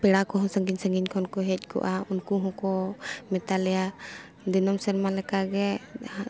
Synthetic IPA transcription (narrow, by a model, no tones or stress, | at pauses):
pɛɽakɔɦɔ̃səŋɡiɲsəŋɡiɲkʰɔnkɔɦɛc̚ˀkɔ̰ʔaunkuɦɔ̃kɔmɛt̪alɛja | d̪inɔmsɛɾmalɛkaɡɛ